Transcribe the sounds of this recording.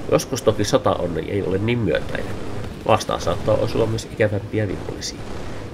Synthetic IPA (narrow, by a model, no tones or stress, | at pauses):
jʔo̞̰skust̪okisot̪ɑ̰ʔonːḛjʔḛjolenniːmmyøt̪æ̰jæʋʔɑst̪ɑ̰ːsɑːt̪ːɑːʔosuɑmːyøsikæʋæmpiæʋḭkolːisḭ